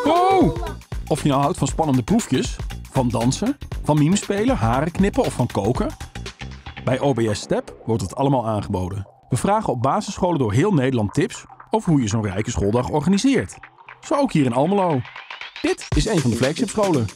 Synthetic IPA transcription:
o | ɔfjənawɦʌwtfɑnspɑnəndəprufjəsv̥ɑndɑnsəv̥ɑnmimspejləɦaːrəknɪpəɔffɑnkowkə | bɛjʔoːbejɛstɛpʋɔɹtətʰɑləmaːlˠaːnχəbowdən | ʋəvraːχəɔb̚baːzəsχowləndʊːɹɦɪːlˠnejdəlɑntɪpsɔvəɹɦujəzownrɛjkəsχʊːlˠdɑχɔɹχaːnizɪːɹtz̥owowkɦiːɾɪnɑlˠməlowd̥ɪtɪsejnvɑndəflɛksɪpsχowlə

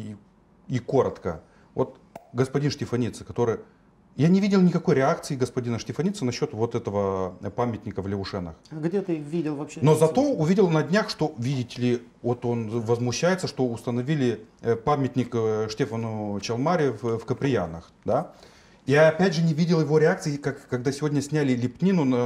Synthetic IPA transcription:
iko̞ɾət̪kə̰ | vo̞t̪ | ɡəspɐdʲinʂtʲɪfɐnʲit̪sɨ̥kɐt̪o̞ɾɨj | janʲɪvʲidʲɪlˠnʲɪkɐko̞jɾʲɪakt̪sɨɪɡəspɐdʲinəʂtʲɪfɐnʲit̪sənɐɕːo̞t̪vo̞t̪ɛt̪əvəpamʲɪtʲnʲɪkəvlʲɪʊʂɛnə̰xaɡdʲet̪ɨvʲidʲɪlˠvɐpɕeno̞zɐt̪o̞ʊvʲidʲɪlˠnɐdʲnʲaxʂt̪o̞vʲidʲɪtʲɪlʲɪ | vo̞t̪o̞nvəzmʊɕːæjɪt̪səʂt̪o̞ʊst̪ənɐvʲilʲɪpamʲɪtʲnʲɪkʂtʲefənʊt͡ɕɐlˠmaɾʲɪffkəpɾʲɪja̰nəx | d̪a | ɪjaɐpʲædʲʐɨnʲɪvʲidʲɪlˠjɪvo̞ɾʲɪak̚t̪sɨɪkakːɐɡ̚d̪asʲɪvʲo̞dʲnʲəsʲnʲælʲɪlʲɪpʲnʲinʊnə

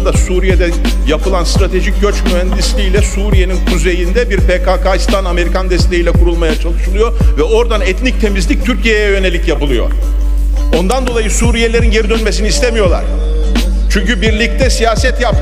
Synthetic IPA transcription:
d̪asuːɾijed̪ɛ | japɯlˠanst̪ɾat̪ʰe̞ʒic̚ɟøt͡ʃmyhænd̪islʲijlʲɛsuːɾije̞ninkʰuze̞jind̪ɛbiɾpekakaist̪ʰaname̞ɾikʰand̪ɛst̪e̞jiːlʲɛkʰuɾulˠmajat͡ʃʰalˠɯʃɯlˠɯjo̞vɛo̞ɾd̪anɛt̪nic̚t̪ʰe̞mizlʲic̚t̪ʰyɾcʰijejɛjø̞ne̞lʲicjapɯlˠɯjo̞̰ | o̞nd̪and̪o̞lˠajɯsuːɾijelʲe̞ɾinɟe̞ɾid̪ønmesiniːst̪ʰemijo̞lˠa̰ɾ̥ | t͡ʃʰyɲcybiɾlʲic̚t̪ʰɛsijaːsɛt̪jap

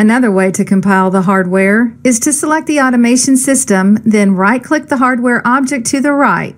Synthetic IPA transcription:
ɨnʌðə˞weɪɾɨkʰɨ̃m̩pʰaɪlˠðəɦɑɹd̚wɛɹɨz̥tʰɨsəlɛk̚t̪̚ðiɑɾɨmeɪʃɨ̃n̩sɪstə̃mðɨ̃nɹaɪt̚kʰl̥ɪk̚ðəɦɑɹd̚wɛɹʔɑb̚d͡ʒɨk̚tʰɨðɨɹaɪt̚

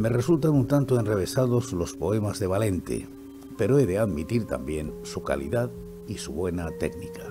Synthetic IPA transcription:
me̞re̞sult̪anunt̪ant̪oe̞nreβ̞e̞sað̞o̞zlo̞spo̞e̞mazðe̞β̞ale̞nt̪ḛ | pe̞ɾoeðeaðmit̪iɾt̪a̰mbje̞nsuka̰lḭðað | isuβwe̞nat̪e̞̰knika

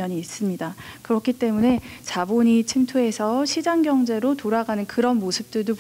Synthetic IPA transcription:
ʌɲiːs͈ɯmɲidakɯɾʌkʰit͈e̞mune̞t͡ɕaboɲit͡ɕʰimtʰue̞sʰʌɕʰid͡ʑaŋɡjʌŋd͡ʑe̞ɾotoɾaɡanɯnkɯɾʌnmosʰɯp̚t͈ɯɭdop

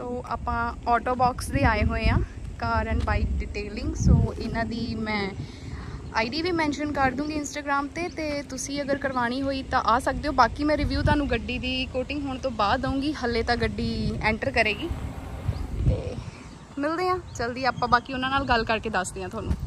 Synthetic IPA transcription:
soːʔa̰ːpãːɔːʈoːbɔːksd̪eːaːeːɦoːeːãːkaːɾə̃ɳbaːik̚ɖɪʈeːlɪŋɡsoːɪnãːd̪iːmɛ̃ː | a̰ːiɖiːbiːmɛ̃ːnʃənkəɾd̪ũːŋɡiːɪnsʈaːɡɾaːmt̪eːt̪eːt̪ʊsĩːəɡəɾkəɾʋaːɽ̃iːɦoːiːt̪ãːʔaːsək̚d̪eːoːbaːkiːmɛ̃ːɾɪʋjuːt̪ʊaːnũːɡəɖiːd̪iːkoːʈɪ̃ŋɡɦoːɳ̃t̪õːbaːd̪ːəũːŋɡiːɦəlːeːt̪ãːɡəɖiːɛ̃ːɳʈəɾkəɾeːɡiː | t̪eː | mɪld̪eːãːt͡ʃəld̪iːaːpãːbaːkiːʊnãːnaːlɡəlkəɾkeːd̪əsd̪eːãt̪ʊaːnṵ̃ː

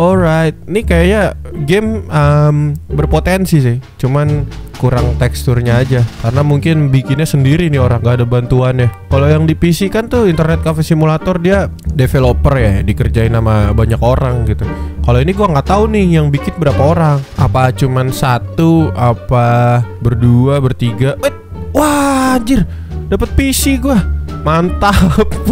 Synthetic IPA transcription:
ʔɔlɾajt̪̚nikajajaɡɛməmbərpot̪ɛnsis̬ɪht͡ʃumankuɾaŋt̪ɛkst̪ʊrɲaːd͡ʒakarənamuŋkɪnbikɪnɲasəndiɾinɪoɾaŋɡaːdabant̪uanahkalojaŋdipisikant̪ʊint̪ərnɛt̪̚kafɛsimulat̪ɔrdiadefelopərjajadikərd͡ʒaɪnamabaɲakoɾaŋɡit̪ukaloiniɡuaŋɡaʔt̪aunɪhjaŋbikɪt̪̚bəɾapaoɾaŋapat͡ʃumansat̪uapabərduabərt̪iɡawɛt̪̚ | wad͡ʒɪr | dapət̪̚pisiɡuamant̪ap̚

